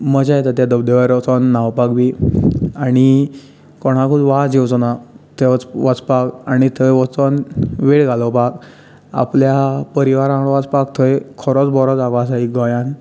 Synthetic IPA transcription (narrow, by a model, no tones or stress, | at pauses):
məd͡ʑajt̪at̪jad̪əbd̪eʋəɾɔt͡sɔnːawpakbi | aɽ̃i | kɔɽ̤̃akʰuʋad͡ʑewt͡sɔnat̪eʋt͡sʋat͡spakaɽ̃it̪ʰəjʋɔt͡sɔnʋeɽɡʱalɔpak | a̰pljapəɾiʋaɾãɡɭɔʋat͡spakt̪ʰəjkʰɔɾɔt͡sbɔɾɔt͡sakɔas̬aiɡɔjãn